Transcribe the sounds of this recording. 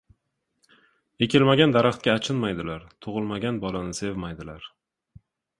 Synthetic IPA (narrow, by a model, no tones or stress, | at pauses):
e̞kʲʰɪlmaɡʲand̪aɾaχt̪̚kʲaːt͡ʃʰɪnmajd̪ɪlaɾt̪ʰʊʁɨlˠmaɡʲanbɒlanɪse̞vmajd̪ɪlaɾ